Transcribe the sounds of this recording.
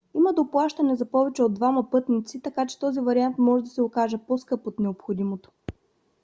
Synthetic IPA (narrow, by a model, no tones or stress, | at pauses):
iməd̪oplˠaʃt̪ɐnɛzɐpɔvɛt͡ʃɛod̪ːvamɐpɤt̪nit̪sit̪ɐkat͡ʃɛ̥t̪ɔzivɐɾiant̪mɔʒɛd̪ɐsɛokaʒəposkɤpot̪nɛopxod̪imot̪o̥